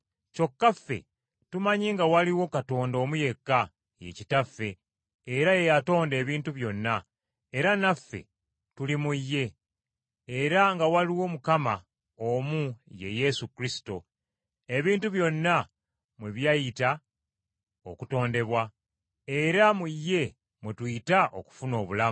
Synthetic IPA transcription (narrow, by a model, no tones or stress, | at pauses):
co̞kːafːe̞̰ | tumaɲiŋɡawaliwo̞kato̞ːndo̞ːmuje̞kːa | je̞̰citafːe̞ː | ɾaje̞jato̞ːnde̞ːβiːntuβjo̞nːa | e̞ɾanafːe̞̰ | tulimujːe̞ː | ɾaŋɡawaliwo̞mukama | omuje̞̰je̞sukɾisi̥to̞ | e̞βiːntuβjo̞nːa | mweβjajita | o̰kuto̞ːnde̞βwa | eɾamujːe̞ | mutwitaʔo̞̰ku̥funo̞ːβulamu